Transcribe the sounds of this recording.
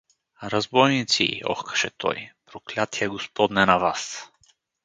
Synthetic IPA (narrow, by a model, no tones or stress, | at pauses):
ɾazbɔjnit̪sḭɔ̰xkʰə̥ʃɛt̪ʰɔ̰jpɾoklʲat̪ʰiɛɡospɔd̪nɛnavas